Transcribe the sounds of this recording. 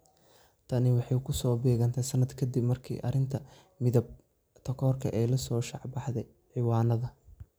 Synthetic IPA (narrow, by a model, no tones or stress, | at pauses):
t̪ʰɐnɪwɑħɑjkʰʊsɔːbɛːɣɐnt̪ʰɛsɐnɐd̪kʰɐd̪ibmɐrkʰḭːʔɐ̰ɾɪnt̪ʰɐ | mɪðɐb̚ | t̪ʰɐkʰɔːrkʰɐ̰ʔɛːjlɐsɔːʃɑʕbɑħd̪ɛj | ʕɪwɑːnɐðɐ